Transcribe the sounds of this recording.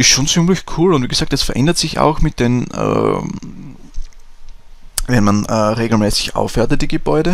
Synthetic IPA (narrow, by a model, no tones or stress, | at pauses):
ɪstʃoːnt͡sɪmlɪçkʰuːlʊntviːɡ̥ezaːk̚tɛsfɐʔɛ̰ndətsɪça̰ʊxmɪt̚d̥enʔə̰ | vɛnmanəʁeːɡl̩mɛːsɪ̥çʔa̰ʊfɛɐtət̚d̥iɡəbɔʏɾə